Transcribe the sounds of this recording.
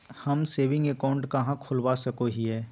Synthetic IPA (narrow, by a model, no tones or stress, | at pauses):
hɐmseːʋɪ̃ŋɡekaːʊ̃ɳʈkɐɦãkʰʊlwasɐkoɦiɦɛː